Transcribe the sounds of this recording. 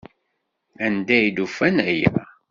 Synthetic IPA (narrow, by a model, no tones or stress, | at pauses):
ænd̪æjd̪ufænæjæ̰